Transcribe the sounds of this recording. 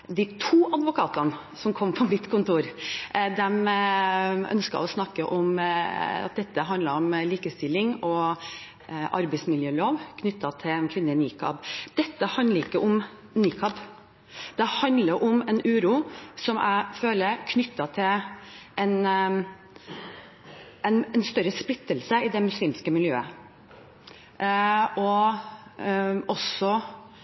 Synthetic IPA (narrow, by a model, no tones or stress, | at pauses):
d̪ɪt̪ʰuːʔɑd̪ʋʊkʰɑːt̪ɑn | sɔmkʰɔmpʰɔmɪt̪kʰʊnt̪uːɾd̪ɛm | œ̰nskɑ̰ɔsnɑkːəʔɔm | ɑ̰t̪̚d̪ɛt̪ːəɦɑnd̪ləɾɔmliːkəst̪ɪlːɪŋɔ | ʔɑ̰ɾbɛɪsmɪljøːloːʋkʰnʏt̪ːɑt̪ʰɪlnkʰʋɪnːəniːkʰɑ̰bd̪̥ɛt̪ːəhɑnəɾɪkːəʔɔm | niːkʰɑb | d̪̥ɛhɑnd̪ləɾʔɔmɛnʉːɾuːsɔmʔæ̰ɪføːləɾkʰnʏt̪ːɑt̪ʰɪlɛn | ɛnɛnst̪œɾəsplɪt̪ːəlsəɪd̪ɛmʉsliːmskəmɪljøːə | ʔɔ | ɔsɔ